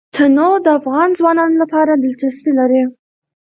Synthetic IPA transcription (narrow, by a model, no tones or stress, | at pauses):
t̪ʰanod̪əafɣɑnzwɑnɑnolapɑɾad̪əlt͡ʃaspilaɾi